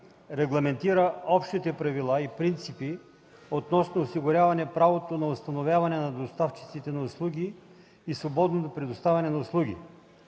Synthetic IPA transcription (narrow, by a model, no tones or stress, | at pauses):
ɾɛɡlˠɐmɛnt̪iɾəɔpʃt̪it̪ɛpɾɐvilˠaipɾint̪sipi | ot̪nɔsnoːsiɡʊɾʲavɐnɛpɾavot̪onɐost̪ɐnovʲjavɐnɛnɐd̪ost̪aft͡ʃi̥t̪sit̪ɛnɐʊslˠuɡʲiː | svobɔd̪not̪opɾɛd̪ost̪avʲɐnɛnɐʊslˠuɡʲḭ